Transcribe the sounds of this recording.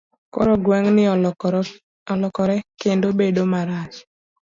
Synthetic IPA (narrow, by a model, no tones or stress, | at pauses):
kɔɾɔɡwaŋnɪ | ɔlɔkɔɾɛkendobedomaɾat͡ʃ